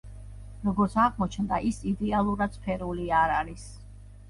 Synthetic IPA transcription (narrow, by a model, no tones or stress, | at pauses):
ɾɔɡɔɾt̪sʰaʁmɔt͡ʃʰnd̪a̰ʔisid̪ɛalˠuɾad̪̥spʰɛɾuliaɾaɾis